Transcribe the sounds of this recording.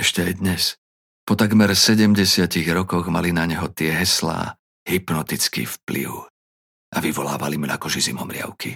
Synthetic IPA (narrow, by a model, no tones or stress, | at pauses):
ɛʃcɛajd̪ɲɛs | pɔt̪aɡmɛɾsɛɟɛmɟɛsɪaciɣɾɔkɔɣmalinaɲɛɦɔt̪ɪɛɦɛsla̰ː | ɦipnɔt̪it͡skḭːfplḭʊ | ʔaʋiʋɔla̰ːʋalimuna̰kɔʒizḭmɔmɾɪa̰ʊki